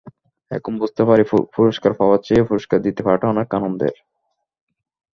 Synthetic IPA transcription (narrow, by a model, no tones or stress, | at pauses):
ɛ̰kʰombust̪epaɾepuɾoʃkaɾpawat͡ɕeepuɾoʃkaɾd̪it̪epaɾʈaɔnekːanomd̪ḛɾ